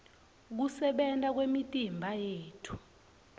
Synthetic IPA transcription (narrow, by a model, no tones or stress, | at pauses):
k̬usɛɓɛntʼak̬wemitʼimbʱajeːtʰu̥